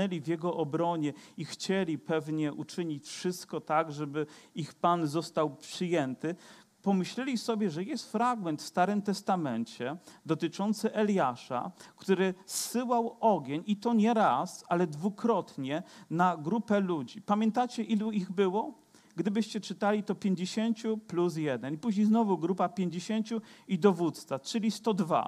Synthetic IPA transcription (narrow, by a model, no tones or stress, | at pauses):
ɛlʲivʲjɛɡɔʔɔbɾɔɲɛixt͡ɕɛlʲipɛvɲɛʔut͡ʂɘɲit͡ɕfʂɘst̪kɔt̪aɡʐɛbɘixpanzɔst̪awpʂɘjɛnt̪ɘ | pɔmɘɕlɛlʲisɔbʲjɛʐɛjɛst̪fɾaɡmɛnt̪fst̪aɾɘmt̪ɛst̪amɛnt͡ɕɛd̪ɔt̪ɘt͡ʂɔnt̪sɘʔɛlʲjaʂa̰kt̪uɾɘsːɘwawɔɡʲjeɲit̪ɔɲɛɾasalɛd̪vukɾɔt̪ɲɛnaɡɾupɛlud͡ʑipamʲjɛnt̪at͡ɕɛʔiluiɣbɘwɔ | ɡd̪ɘbɘɕt͡ɕɛt͡ʂɘt̪alʲit̪ɔpʲjeɲd͡ʑeɕeɲt͡ɕuplus̬jɛd̪ɛnipuʑɲʲejznɔvuɡɾupapʲjeɲd͡ʑeɕeɲt͡ɕuid̪ɔvut̪st̪sat͡ʂɘlʲist̪ɔd̪va̰